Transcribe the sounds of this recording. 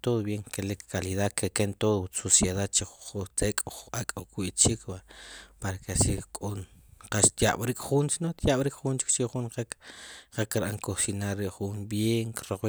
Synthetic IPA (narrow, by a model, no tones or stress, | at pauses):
t̪oðobjeŋkelikːaliðaðkekent̪oːðsosjeðaðt͡ʃeχuχut͡sekʼakʼokwiʔt͡ʃikʰwapaɾakeʃikkʼonqaʃt̪jaɓɾikʼχunt͡ʃnot̪jaɓɾikʼχunt͡ʃi̥k̚t͡ʃeχunqekqekɾʔaŋkosinaɾːiʔχunbjeːŋkɾoχwi